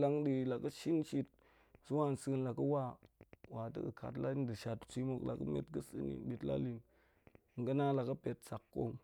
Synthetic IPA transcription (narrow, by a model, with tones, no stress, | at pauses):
la˦ŋɗi˨la˨kə˦ʃi˦nʃi˦t̚ | su˦wa˦˨n˨sɨ˦˧˦nla˨kə˦wa˦wa˨tə̰˦kə˨kʰa̰˨tla˦i˦ndə˨ʃa˨tt͡sʷi˦mo˦˨kla̰˨kə̰˦mḛ˦tɡə˦sɨ̰˦nḭ˨ɓi˨tla̰˦li˦n˨ | ŋ̩˨ɡə˦na˦la˨kə˦pe˨t̚sa˨kːo˦m